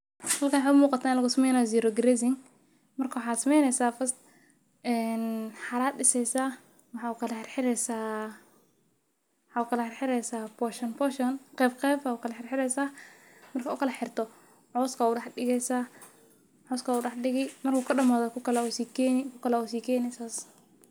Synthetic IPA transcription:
hɐlkanwħaʊmuːqɑt̪ʰaːɪnlɐɣʊsmɛjnaziːɾɔɡɾɛzɪŋ | mɐrkʰɐwɑħaːt̪sɐmɛjnɛsaːfɐst̪ | ɛːnħaːɾaːt̪ːɪsɛjsaː | wɑħaːukʰɐlɐħɪrħɪɾɛsaː | ħaːukɐlɐħɪrħɪɾɛjsaːpɔʃɔnpɔʃɔnqɛbqɛːbaukʰɐlɐħɪrħɪɾɛjsaː | mɐrkʰɐuːkʰɐlɐħɪrt̪ɔ | ʕɔːskauɗɐħɗɪɣɛsaː | ʕɔːskauːɗɑħɗɪɣɪmɐrkukʰɐɗɐmaːðɔkʊkɐlausiːkɛnɪkʰʊkɐlausiːkʰɛːnɪsaːs

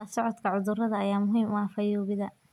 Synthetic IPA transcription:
ɐsɔʕɔd̪kʰɐʕʊðʊrɐðɐːjaːmʊɦiːmʊɑːfɐjɔːɣɪðɐ

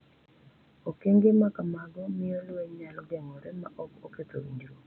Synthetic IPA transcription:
okeŋɡemakamaɡɔmɪjɔlweɲalɔɡɛŋɔɾɛma̰ʔɔkoket̪o̰wiɲd͡ʒɾo

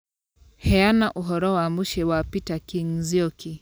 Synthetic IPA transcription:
hɛanaʔuɦɔɾɔwamuʃɛwapitakiŋziɔkʰi

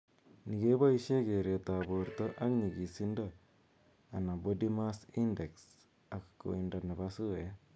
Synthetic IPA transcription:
niɡebaiseɡeɾet̪abuɾt̪ɔɾʔakniɡisinda | anabodimasindeks | akkːo̰indanabasue

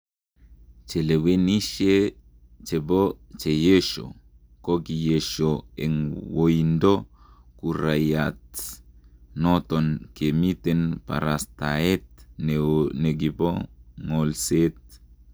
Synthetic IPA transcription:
t͡ʃeleweniʃe | t͡ʃebot͡ʃejeʃo̰ | koɡijeʃoeŋwoindo | kuɾajat | not̪onkemit̪enpa̰ɾastaet̪̚nneɡiboŋolset̪̚

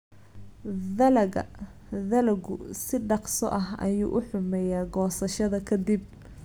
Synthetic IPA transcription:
ðɐlɐɣɐ̰ | ðɐlɐɡʊ̰sɪɖɑqsɔʔɐɦɐ̰jṵːʔʊħʊmɛjaːɡɔːsɐʃɐðɐkʰɐd̪ib̚

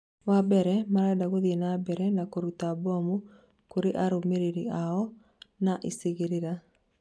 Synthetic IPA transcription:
wabɛɾɛmaɾadaɣoðienabɛɾɛnakoɾutabɔmu | koɾeʔaɾomeɾeɾiaɔ | naʔiseɣeɾeɾa

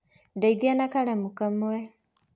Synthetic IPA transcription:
daidanakalamukamuwe

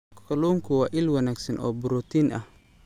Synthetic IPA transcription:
kʰɔluːŋkʰʊwɑːʔɪlwɐnaːɡsɐnʔɔːbʊɾɔt̪ʰiːnʔɐ̰h

